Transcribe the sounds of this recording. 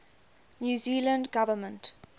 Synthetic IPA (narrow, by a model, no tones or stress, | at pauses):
njuːzilə̃ndɡavəmə̃nt